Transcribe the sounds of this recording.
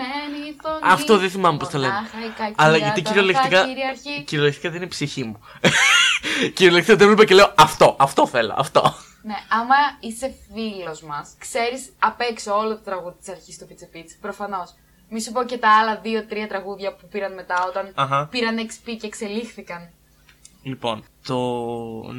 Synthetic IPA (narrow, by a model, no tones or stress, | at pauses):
nenitoɐftt̪oðeθimɐmepost̪ɐlenxɐɾikɐcɐlɐʝɐiciɾiolekt̪ikɐiɾiɐɾçiciɾiolekt̪i̥kɐðeninipsiçimu | ciɾiolekt̪ikɐt̪evlepɐce̞leoɐft̪o̞ʔɐft̪o̞θe̞lo̰ʔɐ̰ft̪o̞̰ | ne̞ɐmɐise̞filo̞zmɐskse̞ɾisɐpe̞ksoolot̪ot̪ɾɐɣuðit̪i̥sɐɾçist̪opit͡sipit͡spɾo̞fɐno̞s | misup̬oce̞t̪ɐɐlɐðio̞t̪ɾiɐt̪ɾɐɣuðʝɐpupiɾɐnme̞t̪ɐo̞t̪ɐnɐxɐpiɾɐnekspice̞ːkse̞lixθikɐn | lipo̞nt̪o